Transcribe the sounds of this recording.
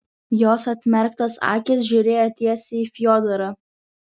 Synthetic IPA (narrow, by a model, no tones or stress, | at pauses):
joːsɐt̪ʲmʲɛɾk̚t̪ɐsɑ̰ːkʲɪs̬ʒʲʊɾʲeːjot̪ʲiɛsʲeiːfʲjɔːd̪ɐɾɐ